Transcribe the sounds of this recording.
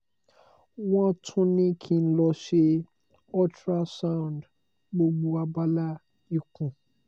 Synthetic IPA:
wɔ̃˦tʰũ˦nĩ˦kʰĩ˨n̩˦lɔ˧ʃe˦ | ɔ˦tɾa˦sã˦˨nd | ɡ͡bo˦ɡ͡bo˨a˨ba˦la˦ | i˦kũ˨

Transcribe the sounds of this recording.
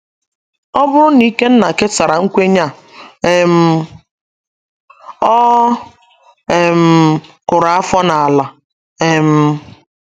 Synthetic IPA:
ɔ˦bʊ˦ɾʊ˦ni˦ke˦n̩˦na˨ke˦ta˨ɾa˨ŋ̩˦kʷe˦ɲa˦˨ | e˨m̩˦ | ɔ˦ | e˨m̩˨kʊ˨ɾa˨a˦fɔ˦na˨a˨la˨ | e˨m̩˦

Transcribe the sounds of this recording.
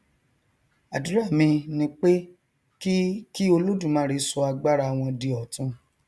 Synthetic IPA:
a˨du˨˦ɾa˦˨mĩ˧nĩ˧k͡pe˦ | ki˦ki˦o˧lo˦dũ˦˨mãː˨˦ɾi˨˧sɔ˧a˧ɡ͡ba˦ɾa˧˨w̃ɔ̃˧di˧ɔ˨tũ˦

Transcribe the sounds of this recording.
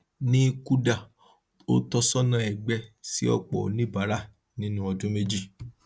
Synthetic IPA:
nĩ˦ku˦da˦˨ | o˦tɔ˧sɔ˦nã˧ɛ˨ɡ͡bɛ˧˦sḭ˦ɔ̰˦k͡pɔ̰˨o˨nĩ˦ba˨˦ɾa˦ | nĩ˦nũ˦ɔ˧dũ˦me˦d͡ʒi˦˨

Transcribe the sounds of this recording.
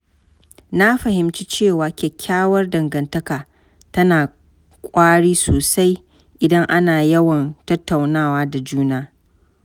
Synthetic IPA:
na˦ɸɐ˨hɪ˨mt͡ʃi˦t͡ʃeː˦˨waː˨kʲɛ˨kʲʰːaː˦wɐ˦rdɐ˨ŋɡɐ˨ntɐ˦kaː˨ | tɐ˦naː˨ | kʷʼaː˦ɽiː˦soː˨sa˦j | ʔɪ˨dɐ˦ŋʔa˦naː˨jɐ˦wɐ˨ntɐ˦tːa˨wnaː˦waː˦da˨d͡ʒuː˦naː˦

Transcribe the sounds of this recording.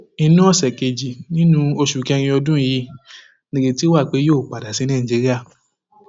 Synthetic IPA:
i˧nũ˦ɔ˦˨sɛ˨ke˨d͡ʒi˨nĩ˦nũ˦o˧ʃu˨kɛ˧ɾ̃ĩ˧ɔ˧dũ˦ji˧˦ | nẽ˨ɡe˧ti˦wa˦˨k͡pe˨˦joː˦˨k͡pa˨da˨si˨˦nãː˦˨d͡ʒe˨˧˦ɾi˦a˦˨

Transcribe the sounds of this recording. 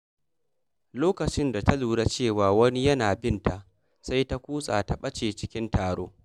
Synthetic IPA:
loː˦kɐ˨t͡ʃɪ˦nda˨ta˦luː˨ɽaː˦t͡ʃeː˦˨waː˨wɐ˦ni˦jɐ˦naː˨bɪ˦nta˨ʔ | sa˦jta˦kʷuː˦sʼa̰ː˨ta˨ɓɐ˦t͡ʃeː˨t͡ʃɪ˦kʲɪ˦ntaː˨ɽo̰ː˦

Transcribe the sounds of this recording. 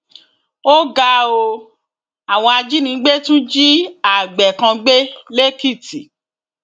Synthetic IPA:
o˦ɡa˧˦o˧ | a˨w̃ɔ̃˧a˧d͡ʒi˦nĩ˧˦ɡ͡be˦tũ˦d͡ʒi˦a˦˨ɡ͡bɛ˨kã˧ɡ͡be˦le˦ki˦˨ti˨

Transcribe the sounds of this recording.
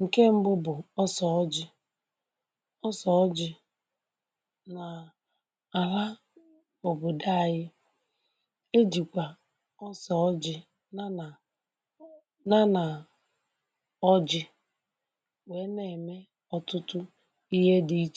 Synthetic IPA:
ŋ̩˨ke˦m̩˦bʊ˦bʊ˨ɔ˦sɔ˨ɔ˦d͡ʒɪ˦ | ɔ˦sɔ˨ɔ˦d͡ʒɪ˦ | na˨ | a˨la˦ | o˨bʊ˨da˦˨ɣɪ˦ | e˦d͡ʒi˨kʷa˨ | ɔ˦sɔ˨˦d͡ʒɪ˦˨ | na˦na˨ | ɔ˦d͡ʒɪ˦ | we˨˦ne˨me˦ | ɔ˦tʊ˦tʊ˦ | i˦ɦe˦di˨i˦t͡ʃ

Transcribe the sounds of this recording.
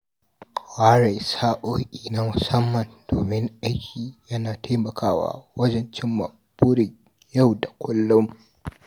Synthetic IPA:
waː˦ɾa˨jsaː˦ʔoː˦ʔʲʼiː˨na˦mʊ˨sɐ˦mːɐ˨nd̥oː˨mɪ˦ŋʔa˦jkʲʰiː˨jɐ˦naː˨tʰa˦mɐ˨kʰaː˦wa̰ː˦wɐ˦d͡ʒɛ˦nt͡ʃɪ˦mːɐ̰˨ | b̥ʊ˦ɽɪ˨ŋ | ja˦˨wda˨kʷʊ˦lːʊ˦m

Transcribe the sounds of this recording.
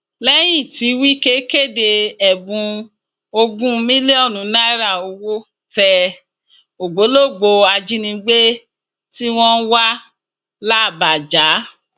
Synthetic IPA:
lɛ˦j̃ĩ˦˨ti˨˦wi˦ke˦ke˦˨de˧ɛ˨bũ˧ | o˧ɡũ˦mĩ˦le˦ɔ˦˨nũ˨˦na˦ɾa˦˨o˧wo˦ | tɛ˧˨ | o˨ɡ͡bo˨˦lo˦˨ɡ͡bo˧a˧d͡ʒi˦nĩ˧ɡ͡be˦ | ti˦w̃ɔ̃˦n˦wa˦ | la˦˨ba˨d͡ʒa˨˦

